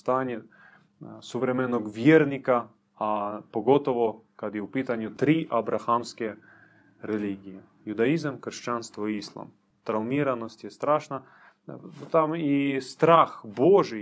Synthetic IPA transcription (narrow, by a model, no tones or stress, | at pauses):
st̪anʲe | sʊvɾɛmɛnːoɡvjeɾnʲika | apoɡot̪oʋokad̪jɛupit̪anʲjʊt̪ɾiʔabɾʔaxamskɛ | ɾɛlʲiɡʲije | jʊd̪aizamkrʂt͡ʃanst̪voiislˠa̰m | t̪ɾalmiɾanosʲt̪ʲjɛst̪ɾaʃna | t̪amist̪ɾaxboʐɨj